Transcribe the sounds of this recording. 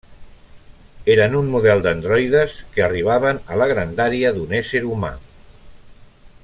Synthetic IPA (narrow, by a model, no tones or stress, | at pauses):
eɾənunmuðɛlˠd̪ənd̪ɾɔjðəskəəriβ̞aβ̞ənələɣɾənd̪aɾiəðunɛseɾuma̰